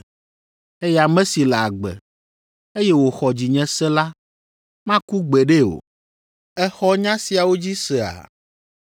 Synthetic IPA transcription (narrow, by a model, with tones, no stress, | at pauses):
e˦ja˨mɛ̃˦si˨lɛ˨a˨ɡ͡bɛ̰˨ | e˦jɛ˦wo˨xɔ˨d͡ʑi˨ɲɛ̃˦sɛ˦la˦ | mã˦ku˦ɡ͡bɛ˨ɖe˦o̰˨ | ɛ˦xɔ˦ɲã˦si˨a˨wo˦d͡ʑi˦sɛ˨a̰˨